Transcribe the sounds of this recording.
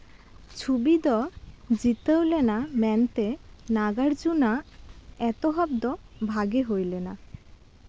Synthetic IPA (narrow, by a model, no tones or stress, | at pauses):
t͡ɕʰubid̪ɔd͡ʑit̪ewlenamɛnt̪enaɡaɾd͡ʑunaɛt̪oɦɔb̚d̪ɔbʱaɡeɦojlena